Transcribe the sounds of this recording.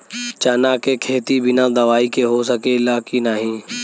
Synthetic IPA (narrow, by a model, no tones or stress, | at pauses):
t͡ʃanaːkekʰeːt̪ibʱɪnãd̪əʋaːikeɦosəkeɪlaːkinaːɦĩː